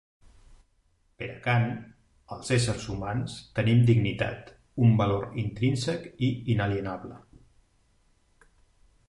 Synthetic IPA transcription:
pəɾəkan | əlˠzesəɾzumanst̪ənimd̪iɡnit̪a̰t̪ | umbəloɾint̪ɾinsəkiinəliənaβlə

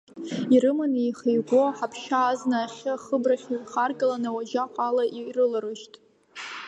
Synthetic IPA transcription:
irɨmanijχijɡʷoħapʰʃaːznaːχʲaχəbraχʲiɥχarɡʼalanawad͡ʒaqʷʼalaʔirɨlaɾɨʃtʼ

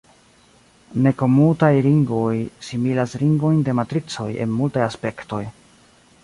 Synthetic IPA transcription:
ne̞ko̞mutajliŋɡvo̞jsimilasɾiŋɡvo̞jnde̞matɾit͡so̞je̞̰nmultajaspe̞kto̞j

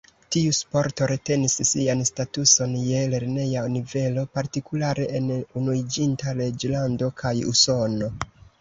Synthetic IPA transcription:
tiuspo̞ɾto̞ɾe̞te̞nisːianstatuso̞nje̞le̞ɾne̞janive̞lo̞paɾtikulaɾe̞ʔenunuid͡ʒintale̞d͡ʒlando̞kʰajṵso̞no̞

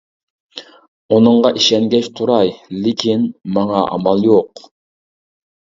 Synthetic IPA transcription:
unɨɴʁɑʔiʃɛŋɡʲɛʃt̪ʰuɾɑjlɪkʲʰinmɑŋɑʔɑ̰mɑlˠjoq

